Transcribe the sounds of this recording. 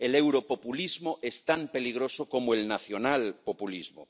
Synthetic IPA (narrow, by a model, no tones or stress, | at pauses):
elewɾopopulizmoʔest̪ampe̞liɣ̞ɾo̞sokomoelnaθjonalpopulizmo